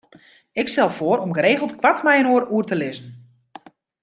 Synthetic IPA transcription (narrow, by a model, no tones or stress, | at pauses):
ɪkstɛlˠfoəɾɔmɡəɾeːɣəl̩ˠtkwatmɛjənoəɾuərtəlɪzən̩